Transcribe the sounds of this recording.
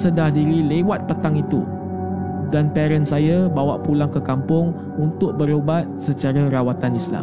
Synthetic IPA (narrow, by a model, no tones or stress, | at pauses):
sədahdiɾilewat̪̚pət̪aŋit̪ṵ | danpɛɾənsajabawaʔpulaŋkəkampʊŋ | unt̪ʊʔ̚bəɾobat̪̚sət͡ʃaɾaɾawat̪anisla̰m